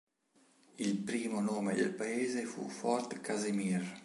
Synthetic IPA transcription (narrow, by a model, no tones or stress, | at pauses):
ilpɾiːmonoːmed̪ḛlpaeːzefṵfɔrt̪kazimir